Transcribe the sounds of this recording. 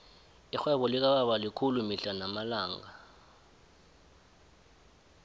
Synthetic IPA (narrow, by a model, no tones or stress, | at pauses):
ixwɛɓɔlik̬aɓaɓalikʰulumiɬanamalaːŋa